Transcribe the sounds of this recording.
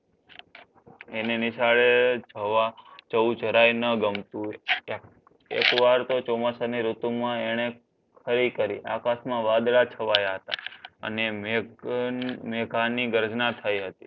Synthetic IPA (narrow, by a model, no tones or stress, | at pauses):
eneniʃaɭed͡ʒəʋat͡ʃəud͡ʒəɾajnəɡəmt̪ũ | ḛkʋaɾt̪ot͡ʃɔmasaniɾut̪umãeɽ̃e | kʰəɾikəɾiʔa̰kasmãʋad̪ɭat͡ʃʰəʋajaɦət̪a̰ə̰ne | meɡʱaniɡəɾd͡ʒnat̪ʰajɦət̪i̥